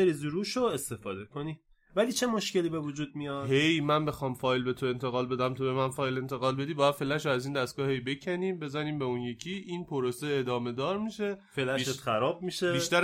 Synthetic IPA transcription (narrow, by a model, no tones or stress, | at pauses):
eɾizuɾuːʃoe̞st̪e̞fɒːd̪e̞kʰo̞ni | væliːt͡ʃʰe̞moʃce̞liːbe̞vud͡ʒuːd̪̚mijɒhejmænbe̞xɒːmfɒːjlbe̞t̪ʰo̞e̞nt̪ʰe̞ɣɒːlbe̞d̪æmt̪ʰobe̞mænfɒːjle̞nt̪ʰe̞ɣɒːlbe̞d̪iːbɒːjæd̪felæʃoæziːnd̪æst̪ɡ̥ɒːhe̞jbe̞cʰæniːmbe̞zæniːmbe̞unje̞cʰiʔinpʰoɾoseːd̪ɒːme̞d̪ɒːɾmiʃe̞felæʃet̪xæɾɒːb̚miːʃebiːʃt̪æɾ